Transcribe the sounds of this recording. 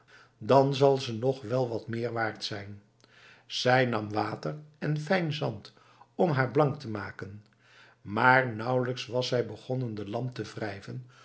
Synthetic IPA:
dɑnzɑlˠzənɔχʋɛlˠʋɑtmɪːɹʋaːɹtsɛjn | z̥ɛjnɑmʋaːtərɛnfɛjnzɑnt | ɔmɦaːɹblɑŋktəmaːkən | maːɹnʌwləksʋɑsɛjbəχɔnəndəlɑmp̚təvrɛjvən

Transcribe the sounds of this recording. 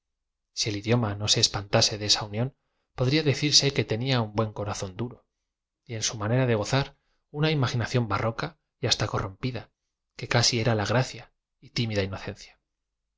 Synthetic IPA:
sie̞liðjo̞mano̞se̞ːspant̪ase̞ðee̞saunjõ̞n | po̞ðɾiaðe̞θiɾse̞ke̞t̪e̞niaumbwe̞ŋko̞ɾaθo̞nd̪uɾo̞ | ie̞nsumane̞ɾaðe̞ɣ̞o̞θaɾ | unaimaxinaθjo̞mbarʔo̞ka | jast̪ako̞rompiða | ke̞kasie̞ɾalaɣɾaθja | it̪imiðaino̞θe̞nθjḁ

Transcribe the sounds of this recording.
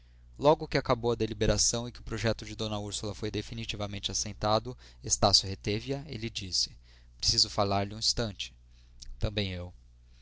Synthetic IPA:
lɔɡʊkɪakabowɐd̪elibeɾasɐ̃w̃ɪkɪʊpɾoʒɛt̪ʊd͡ʒɪd̪õnɐuɾsulɐfojd̪efinit͡ʃivɐmẽnt͡ʃɪasẽnt̪ad̪ʊ | est̪asjʊɦet̪eviɐḛlɪd͡ʒisɪ̥ | pɾesizʊfalaɾlɪũĩst̪ɐ̃nt͡ʃɪ̥ | t̪ɐ̃mbẽj̃ew

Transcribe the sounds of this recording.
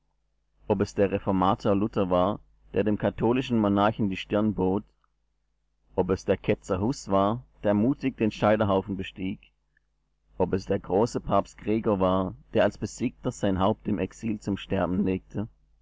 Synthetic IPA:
ʔɔpɛsd̥eːɐʁɛfɔɐmaːtʰoːɐlʊtʰɐvaːɐ | d̥eːɐdeːmkʰatʰoːlɪʃn̩monaɐçn̩diːʃtɪɐnboːt | ʔɔpɛsd̥eːɐkʰɛt͡sɐhusv̥aːɐd̥eːɐmuːtɪç̚d̥eːnʃaɪdɐɦaʊfn̩bəʃtiːk | ʔɔpɛsd̥eːɐɡʁoːsəpʰaːpstkʁ̥ɛːɡɐvaːɐd̥eːɐalsb̥əz̥iːk̚tɐz̥aɪnɦaʊp̚tɪmʔɛksiːlt͡sʊmʃtɛɐbn̩leːk̚tʰə

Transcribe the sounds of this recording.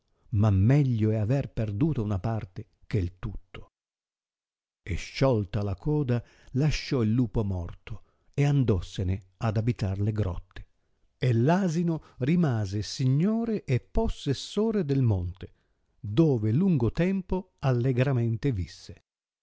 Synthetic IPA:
mamːɛʎːoɛaverperd̪uːt̪ounapart̪e | k̟eilt̪ut̪ːo̥ | ḛʃːɔlt̪alakʰɔːd̪a | laʃːɔilːuːpomɔrt̪o | eand̪ɔsːenead̪abit̪arleɡɾɔ̰t̪ʰːe̥ | elːaːzinorimaːzesiɲːoːɾeʔepːosːesːoːɾed̪elmɔnt̪e | d̪oːveluŋɡot̪ɛmpo | alːeɡɾament̪evisːe

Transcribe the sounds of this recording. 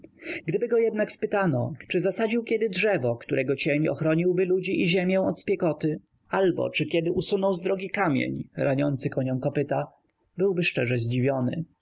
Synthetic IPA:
ɡd̪ɘbɘɡɔjɛd̪nakspɘt̪anɔt͡ʂɘzasad͡ʑiwkʲɛd̪ɘdʐɛvɔkt̪uɾʔɛɡɔt͡ɕeɲɔ̰xɾɔɲiwbɘlud͡ʑiʔiʑɛmʲjɛw̃ɔt̪spʲjɛkɔt̪ɘ | albɔ̰t͡ʂɘkʲjɛd̪ɘʔusunɔwzd̪ɾɔɡʲikamʲjḛɲɾaɲɔnt̪sɘkɔɲɔw̃kɔpɘt̪a | bɘwbɘʂt͡ʂɛʐɛʑd͡ʑivʲjɔnɘ̰

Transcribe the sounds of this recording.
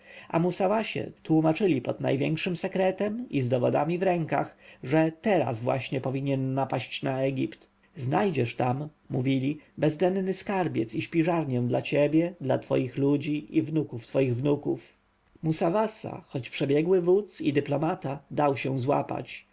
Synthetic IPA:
amusavaɕɛ̰t̪wumat͡ʂɘlʲipɔd̪na̰jvʲjɛŋkʂɘmsɛkɾɛt̪ɛmizd̪ɔvɔd̪amʲivɾɛŋka̰xʐɛt̪ɛɾa̰zvwa̰ɕɲɛpɔvʲiɲɛnːapaɕt͡ɕnaɛɡʲipt̪ | znajd͡ʑɛʂt̪amː | uvʲilʲibɛzd̪ɛnnɘskaɾbʲjɛ̰t̪siɕpʲiʐaɾɲɛ̃d̪lat͡ɕebʲjɛd̪lat̪fɔ̰jixlud͡ʑiʔivnukuft̪fɔjiɣvnukṵf | musavasa̰xɔt͡ɕpʂɛbʲjɛɡwɘvut̪sid̪ɘplɔmat̪ad̪awɕɛwzwa̰pa̰t͡ɕ

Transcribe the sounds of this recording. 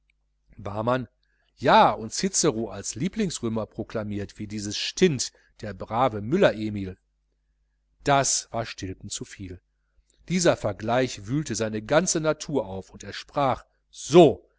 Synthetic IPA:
baːman | jaːʊntsɪt͡səʁoːʔalsliːplɪŋsʁøːmɐpʁ̥okl̥amiːɐtv̥iːdiːzəsʃtʰɪnt | d̥eːɐbʁaːvəmʏlɐʔeːmiːl | d̥asv̥aːɐʃtʰɪltn̩t͡sufiːl | d̥iːzɐfɛɐɡlaɪçvyːltəzaɪnəɡant͡sənatʰuːɐʔaʊfʊnteːɐʃpʁ̥aːχ | z̥oː

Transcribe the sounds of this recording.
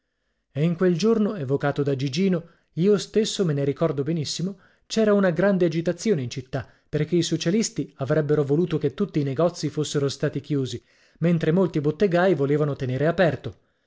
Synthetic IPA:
eiŋkweld͡ʒornoevokaːt̪od̪ad͡ʒid͡ʒiːno | iːost̪esːomeneɾikɔrd̪obenisːimo | t͡ʃɛːɾaunaɡɾand̪ead͡ʒit̪at̪sːjoːneint͡ʃit̪ːa | perk̟eisot͡ʃalist̪iavɾɛbːeɾovoluːt̪oket̪ːut̪ːiːneɡɔt̪sːifosːeɾost̪aːt̪ikjuːzi | ment̪ɾemolt̪ibot̪ːeɡaːjvoleːvanot̪eneːɾeapɛrt̪o

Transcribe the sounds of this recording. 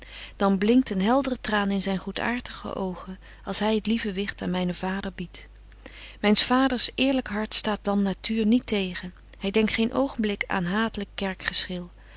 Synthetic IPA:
d̥ɑnblɪŋk̚tənɦɛlˠdərətraːnɪnzɛjnχutʰa̰ːɹtəχə̰ʔowχən | ɑlˠsɦɛjətlivəʋɪχtaːnmɛjnəv̥aːdəɹbit | mɛjnsfaːdəɹsʔɪːɹləkɦɑɹtstaːt̚d̥ɑnːatʰyːɹnitejχən | hɛjdɛŋktχejnʔowχəmblɪkʰa̰ːnɦaːtələkːɛɹkχəsχɪlˠ

